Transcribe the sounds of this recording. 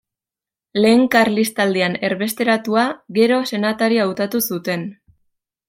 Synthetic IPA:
le̞ːŋkaɾlist̪ald̪iane̞ɾβe̞st̪e̞ɾat̪uaɣe̞ɾo̞se̞nat̪aɾiawt̪at̪usut̪e̞n

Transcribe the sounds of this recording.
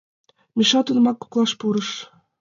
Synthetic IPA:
mʲiʃɑt̪unmɑkːu̥klˠɑʃpuɾɤ̆ʃ

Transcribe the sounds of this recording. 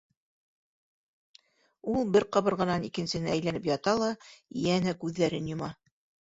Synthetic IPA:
ulˠbɘɾqɑ̆βɤɾʁɤ̆nɑnikɘ̆nsɘ̆nɘæjlænɘpjɑt̪ɑlˠɑjænækʉðːæɾɘnjŏmɑ

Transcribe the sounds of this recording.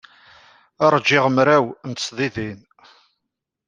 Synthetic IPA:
ɑɾˤd͡ʒːɪʁəmɾæwnt̪sðˤiðin

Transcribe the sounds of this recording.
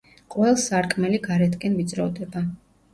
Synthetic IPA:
qʼwɛlˠsaɾkʼmɛliɡaɾɛt̪ʰkʼɛnvit̪sʼɾɔvd̪ɛba

